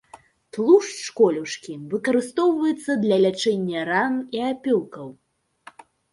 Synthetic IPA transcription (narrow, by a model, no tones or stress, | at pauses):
t̪lˠuʂʂkɔlʲuʂkʲivɨkɐɾɨst̪ɔwvɐjɛt̪sːɐd̪lʲɐlʲat͡ʂɛnʲːɐɾaniapʲɔw̪kɐw